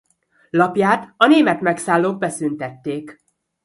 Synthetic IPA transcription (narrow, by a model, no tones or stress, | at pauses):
lɒpjaːt̪ɒneːmɛt̪mɛksaːlːoːɡ̚bɛsynt̪ɛt̪ːeːk